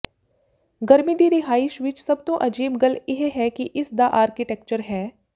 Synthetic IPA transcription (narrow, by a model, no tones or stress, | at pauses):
ɡɐɾmid̪iɾɪɦaːɪʃʋɪt͡ʃsɐb̚t̪oʔɐd͡ʒiːbɡɐlɪɦɦɛkiʔɪsd̪aʔaːɾkiʈeːkt͡ʃəɾɦɛː